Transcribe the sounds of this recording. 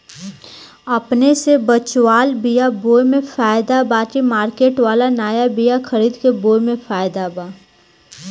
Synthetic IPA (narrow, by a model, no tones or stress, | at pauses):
ɐpnesebɐt͡ʃwaːlbijaboːjmẽfaːjd̪abaːtimaːɾkeːʈʋaːlanaːjabijakʰɐɾiːd̪keboːmẽfaːjd̪abaː